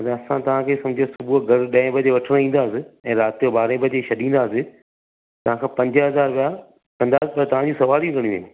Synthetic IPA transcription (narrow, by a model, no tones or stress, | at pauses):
ɐt̪ɐsãt̪ɐʋ̤ãkʰeːsɐ̃md͡ʑʱsʊbuɡʱɐɾɗɐ̃ɪ̃bʱɐd͡ʑeʋɐʈʰɪɽ̃ĩːn̆d̪aːsɪɛ̃ːɾaːt̪ijobaːɾẽbʱɐd͡ʑeʃɐɗĩːnd̪aːsɪ | t̪ɐʋ̤ãkʰãːpɐ̃ɲd͡ʑəɦɐzaːɾʋja | kɐ̃nd̪aːsɪpɐɾt̪ɐʋ̤ãɲd͡ʑũsɐʋaːliũkɐɽ̃jũːɦeː